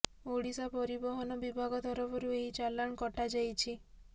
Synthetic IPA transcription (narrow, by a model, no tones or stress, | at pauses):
oɽisapɔɾibɔɦɔnɔbibʱaɡɔt̪ʰɔɾɔbɔɾueɦit͡ʃalːaɽ̃kɔʈad͡ʒajt͡ʃʰi